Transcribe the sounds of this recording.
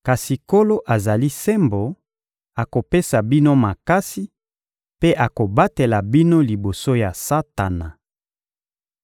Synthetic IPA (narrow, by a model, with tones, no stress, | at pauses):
ka˨si˨ko˦lo˦ʔa˨za˨li˦se˦mbo˨ | a˨ko˨pe˦sa˨bi˦no˦ma˨ka˦si˦ | pe˦ʔa˨ko˨ba˦te˨la˨bi˦no˦li˨bo˨so˦ja˨sa˦ta˨na˨